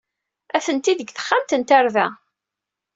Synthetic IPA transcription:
æθənt̪iðəɡθə̥χːamt̪ənt̪aɾvæ̰

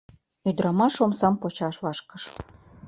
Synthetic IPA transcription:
yd̪ɾɑmɑʃomsɑmpot͡ɕɑʃβɑʃkɤʃ

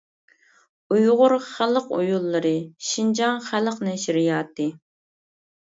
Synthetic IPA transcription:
ujʁʊɾχælˠəqujulˠːɨɾɨʃind͡ʒɑŋχæləqnɛʃiɾijɑːt̪ɨ

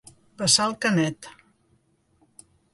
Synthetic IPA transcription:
bəsalˠkənɛt̪

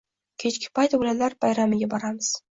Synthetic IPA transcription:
kʲʰet͡ʃkʲɪ̥pajt̪bolalaɾbajɾamɪɡʲabɒɾamɨz̥

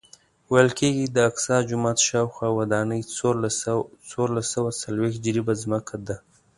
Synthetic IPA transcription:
wajəlkeɡid̪əaksɑd͡ʒʊmɑt̪ʃɑwxwɑwad̪ɑnəj | t͡soɾlasawasalwext̪̚d͡ʒɾibazməkʰad̪a

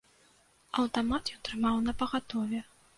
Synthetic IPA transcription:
ɐwt̪amat̪jɛwt̪ɾɨmawnɐpɐɣat̪ɔvʲɛ

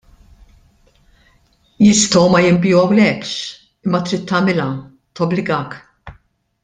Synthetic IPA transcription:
jɪst̪ɔwmɐjɪmbɪjuɐwlɛpʃ | ɪmːɐt̪ɾɪt̪ːɐːmɪlɐ | t̪ɔblɪɡɐːk

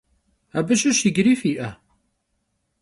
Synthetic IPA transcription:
æbæʃuʃiɡɾifiʔæ

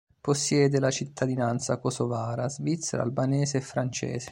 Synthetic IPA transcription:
posːjɛːd̪elat͡ʃit̪ʰːad̪inant̪sakosovaːɾazvit̪sːḛɾa̰lbanɛːzeːfːɾant͡ʃɛ̰ːse̥

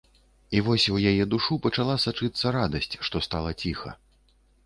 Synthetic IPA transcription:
ivɔsʲwjajɛd̪uʂupɐt͡ʂalˠasat͡ʂɨt̪sːɐɾad̪ɐsʲt͡sʲʂt̪ɔst̪alˠɐt͡sʲixɐ̰

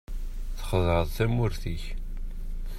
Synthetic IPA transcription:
θə̥χðəɾəðˤθæmʊɾθiç

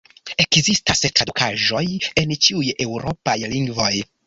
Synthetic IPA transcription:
e̞kzistastɾadukʰaʒo̞jent͡ʃiuje̞wɾo̞pajliŋɡvo̞j

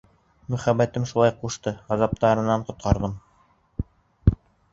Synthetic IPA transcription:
mɵ̆χæbæt̪ɘmʃulˠɑjquʃt̪ɤʁɑzɑp̚t̪ɑɾɤ̆nɑɴqŏt̪̚qɑɾðɤm

